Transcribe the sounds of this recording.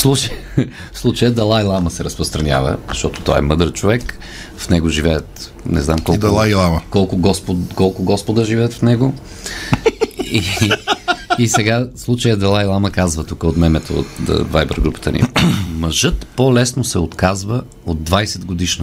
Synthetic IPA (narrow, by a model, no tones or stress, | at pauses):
slˠut͡ʃəj | slˠut͡ʃəjəd̪ɐlˠailˠaməsɛɾəspɾəst̪ɾɐnʲja̰və̰zəʃt̪ɔt̪o̥t̪ɔ̰ɛ̰mɤd̪ɾət͡ʃovɛk | fnɛɡoʒivɛɛt̪ | nɛ̰znamkɔd̪ɐlˠailˠaməkɔlˠkʊɡɔspokɔlˠkʊɡɔspod̪əʒivɛːt̪fnɛɡo | i | isɛɡaslˠut͡ʃəjəd̪ɐlˠailˠaməkazvət̪ukəot̪mɛmɛt̪oo̰t̪vajbɛɾɡɾupə̥t̪ənḭmɐʒɤt̪polɛsnosɛot̪kazvə | od̪ːvajsɛd̪ɡod̪iʃnə